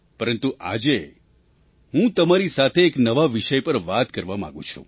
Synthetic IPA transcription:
pəɾənt̪uʔa̰d͡ʒe | ɦũt̪əmaɾisat̪ʰeːknəʋaʋiʃəjpəɾʋat̪kəɾʋamã̰ɡṵ̃t͡ʃʰṵ̃

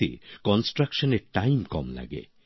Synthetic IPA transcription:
ḭkɔnsʈɾakʃɔneʈajmkɔmla̰ɡḛ

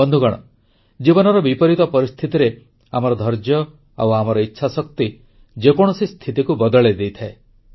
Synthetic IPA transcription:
ɔnd̪ʱuɡɔɽ̃ɔ̰ | d͡ʒibɔnɔɾɔbipɔɾit̪ɔpɔɾist̪ʰit̪iɾe | amɔɾɔd̪ʱɔɾd͡ʒjɔ | a̰wamɔɾɔitːʃʰasɔk̚t̪i | d͡ʒekɔɽ̃ɔsist̪ʰit̪ikubɔd̪ɔɭed̪ejt̪ʰae

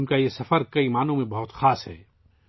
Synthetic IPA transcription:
nkajesɐfəɾkɐiːmaːnõmẽbɐɦʊt̪xaːsɦɛ̰ː

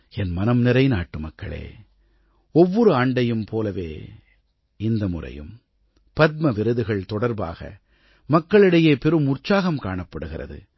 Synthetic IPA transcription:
ɛnmɐnɐmnɪɾɐɪnaːʈːɯmɐkːɐ̰ɭḛː | ɔʋːɔɾɯaːɳɖɐjɯmpoːlɐʋḛː | ɪnd̪ɐmʊrɐ̰jɯ̰m | pɐt̪̚mɐʋɪɾɯðɯɣɐɭt̪ɔɽɐɾba̰ːɣɐ̰ | mɐkːɐɭɪɽɐjeːpɛɾɯmʊrt͡ʃaːɣɐmkaːɳɐpːɐɽɯɣɪrɐ̰ðɯ̰

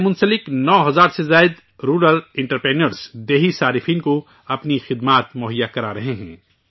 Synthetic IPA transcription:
mʊ̃nsəlɪknɔːɦɐzaːɾsezaːɪd̪ | ɾuːɾəlɪ̃ɳʈəɾpɾeːnəɾsd̪eːɦisaːɾɪfʰiːnko | ɐpnixɪd̪maːt̪mʊɦəjːakɐɾaɾɐɦeɦɛ̃ː

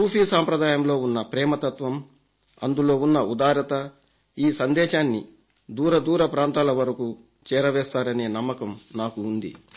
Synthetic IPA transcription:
puːfiːsaːmpɾɐd̪aːjɐmlo̞ːunːɐpɾɛːmɐt̪ɐt̪ʋɐm | ɐ̰nd̪ulo̞ːunːɐud̪aːɾɐt̪ɐ | iːsɐnd̪ɛːʃaːnːi | d̪uːɾɐd̪uːɾɐpɾaːnt̪aːlɐʋɐɾɐku | t͡ʃɛːɾɐʋɛːst̪aːɾɐne̞ːnɐmːɐkɐmnaːkuːnd̪ḭ

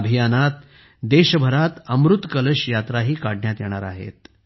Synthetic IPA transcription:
bʱijanat̪ | d̪eɕəbʱəɾat̪əmɾut̪kələɕjat̪ɾaɦiːkaɽɳjat̪jeɽ̃a̰ɾa̰ɦḛt̪̚

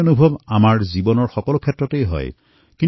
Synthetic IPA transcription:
onubʱɔbamaɹzibɔnɔɹxɔkɔlokʰɛtɹɔtejɦɔ̰j | kĩn

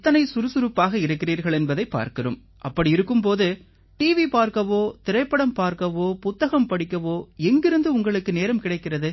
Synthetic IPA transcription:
t̪ːɐnɐɪsʊɾɯsʊɾɯpːaːɣɐɪɾɯkːɪriːɾɣɐɭɛnbɐðɐɪpːa̰ːɾkɪrɯ̰m | ʔɐpːɐɽiɪɾɯkːɯmp̬oːðɯ | ʈiːʋipaːɾkɐʋoːt̪ɪɾɐɪpːɐɽɐmpaːɾkɐʋoːpʊt̪ːɐɣɐmpɐɽɪkːɐʋoːɛŋɡɪɾɯnd̪ɯʊŋɡɐɭɯkːɯneːɾɐmkɪɽɐɪkːɪrɐðɯ

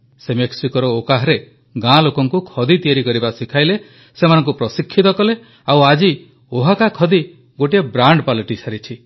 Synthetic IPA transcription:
semeksikɔɾɔokaɦɔɾe | ɡãlokɔŋkukʰɔd̪it̪ieɾikɔɾibasikʰajle | semanɔ̃ŋkupɾɔsikʰːit̪ɔkɔle | awad͡ʒi | oɦakakʰɔd̪i | ɡoʈiebɾaɳɖpalɔʈisʰaɾit͡ʃʰi

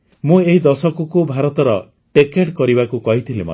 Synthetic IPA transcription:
mũeɦid̪ɔsɔkukubʱaɾɔt̪ɔɾɔ | ʈekeʈkɔɾiβakukɔɦit̪ʰilimɔ̰

